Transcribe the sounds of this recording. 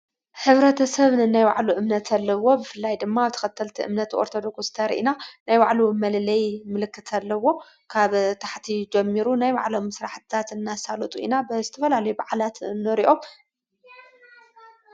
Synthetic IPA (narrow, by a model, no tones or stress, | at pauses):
ħɨβɾɐt̪ʰɐsɐβnɨnːajwa̰ʕluʔɨmnɐt̪ʰɐlːɐwo̞bɨfɨlːajd̪ɨmːaaβt̪ʰɐ̥xɐt̪ʰːɐlt̪ʰiʔɨ̰mnɐt̪ʰʔoɾt̪ʰo̞d̪o̞ksst̪ʰɐɾʔḭnanajwaʕlumɐlɨlɐjmɨlɨkːɨt̪ʰalːɐwo̞ | kʰaβt̪ʰaħt̪ʰid͡ʒɛmːiɾunajwa̰ʕlo̞mːɨsɾaħt̪ʰɨt̪ʰat̪ɨnːasalɐt̪ʼuḭnabɨzɨt̪ʰɐfɐlalɐjubaʕlat̪ɨnːɨɾiʔo̞m